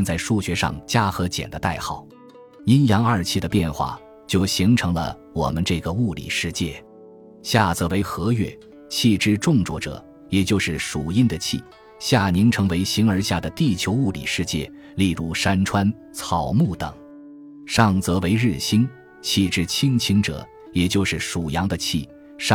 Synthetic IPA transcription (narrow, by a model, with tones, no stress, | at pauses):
nt͡sa˥˧ɪʂu˥˩ɕɥɛ˧˥ʂɑ̰˥˧˩ŋt͡ɕja˥xɤ˧˥t͡ɕjɛ̰˨˩nd̪ə˦t̪a˥˩ɪxɑ˥˩˦ʊ | i˥njɑ˧˥ŋə˞˥˩t͡ɕʰi˥˩d̪ə˩pjɛ˥˧nxwa̰˥˩ | t͡ɕjo˥˩ʊɕi˧˥ŋʈ͡ʂʰɤ˧˥ŋlə̰˧ | wɔ̰˨˩mə˦nʈ͡ʂɤ˥˩ɡə˩u˥˩lḭ˨˩ʂɻ̩˥˧t͡ɕjɛ˥˩ | ɕja˥˩t͡sɤ˧˥we˧˥ɪxɤ˧˥ɥɛ̰˥˩˦ | t͡ɕʰi˥˩ʈ͡ʂɻ̩˥ʈ͡ʂʊ˥˧ŋt͡swɔ˥˩ʈ͡ʂɤ̰˨˩˦ | jɛ˨˩t͡ɕjo˥˧ʊʂɻ̩˥˩ʂu˨˩i˥nd̪ə˨t͡ɕʰḭ˥˩ | ɕja˥˩ni˧˥ŋʈ͡ʂʰɤ˧˥ŋwe˧˥ɪɕi˧˥ŋə˞˧˥ɕja˥˩d̪ə˩t̪i˥˩t͡ɕʰjo˧˥ʊu˥˩lḭ˨˩ʂɻ̩˥˧t͡ɕjɛ̰˥˩ | li˥˧lu˥˩ʂa˥nʈ͡ʂʰwa˥n | t͡sʰɑ˨˩ʊmu˥˩t̪ɤ˨˩˦ŋ | ʂɑ˥˩ŋt͡sɤ˧˥we˧˥ɪɻ̩˥˩ɕi˥n | t͡ɕʰi˥˩ʈ͡ʂɻ̩˥t͡ɕʰi˥ŋt͡ɕʰi˥ŋʈ͡ʂɤ̰˨˩˦ | jɛ˨˩t͡ɕjo˥˧ʊʂɻ̩˥˩ʂu˨˩jɑ˧˥ŋd̪ə˧t͡ɕʰi˥˩ | ʂ